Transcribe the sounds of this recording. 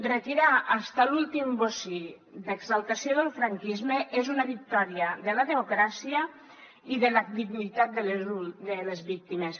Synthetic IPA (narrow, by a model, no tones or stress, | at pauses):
ret̪iɾaʔːst̪alulˠt̪imbosi | d̪eɡzalˠt̪asioðəlˠfɾaŋkizmeʔezunaβik̚t̪ɔɾiəðəlaðemukɾasiə | iðəlad̪iɣnit̪at̪̚d̪əlud̪elezβik̚t̪imes